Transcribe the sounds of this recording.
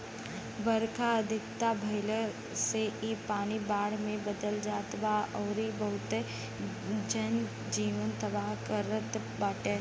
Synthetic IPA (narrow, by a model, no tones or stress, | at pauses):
ʋəɾkʰaəd̪ʱɪkt̪abʱəɪlə | seʔipaːnibaːɽmẽbəd̪əld͡ʒaːt̪baːɔːɾibəɦʊt̪e | d͡ʒən | d͡ʒiːʋənt̪əbaːɦkəɾət̪ | baːʈẽː